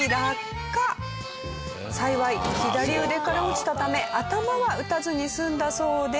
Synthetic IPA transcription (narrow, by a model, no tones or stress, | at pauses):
iɾakː | a | saiβaiçʲid̪aɾʲiɯ̟d̪e̞kaɾaot͡ɕi̥t̪at̪ame̞ʔat̪amaβaɯ̟t̪azɨɲ̟isɨ̃nd̪aso̞ːd̪e